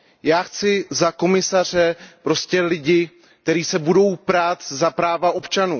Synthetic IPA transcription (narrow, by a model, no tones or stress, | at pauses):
jaːxt͡sɪzako̞mɪsar̝ɛpɾo̞scɛlɪɟɪ | k̚t̪ɛɾiːsɛbudo̞wpɾaːt̪zapɾaːvaʔo̞pt͡ʃanṵː